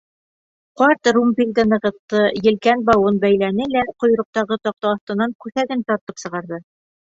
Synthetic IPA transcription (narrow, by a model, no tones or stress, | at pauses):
qɑɾt̪rumbʲilʲd̪ɘnɤ̆ʁɤ̆t̪ːɤjɘ̆lkænbɑwɤnbæjlænɘlæqŏj̆ɾŏq̚t̪ɑʁɤt̪ɑq̚t̪ɑːθt̪ɤ̆nɑŋkʉθæɡɘnt̪ɒɾt̪ɤpsɤ̆ʁɑɾðɤ